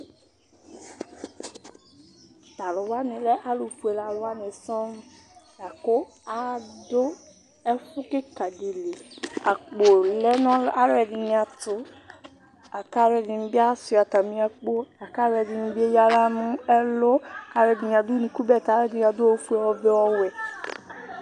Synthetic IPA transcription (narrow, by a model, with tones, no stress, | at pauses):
t̪a˨lʊ˨wa˦nɪ˨lɛ˦ʔa˦lo˨fu˨e˨la˨lʊ˨wa˦nɪ˨sɔ˦m˦ | ja˨kʊ˦ | a˨dʊ˦ | ɛ˦fʊ˦kɪ˦ka˨de˨le˨a˨k͡po˨lɛ˦nɔ̃˦la˦ɾɛ˨dɪ˨nɪ̃˨a˨tʊ˦ | a˨ka˦ɾɛ˨dɪ˨n˨˦bi˦a˦si˨a˨ta˨mĩ˦a˨k͡po˦a˨ka˦ɾɛ˨dɪ˨nĩ˨bi˦e˦ja˦la˦nʊ̃˦ɛ˦lʊ˦˨ka˨ɾɛ˨dɪ˨nĩ˨a˨dʊ˦nĩ˨ku˦bɛ˦˨ta˨˦ɾɛ˦dɪ˨n˨a˨dʊ˦o˦fu˦e˨wɔ˦ve˦wɔ˦wɛ˨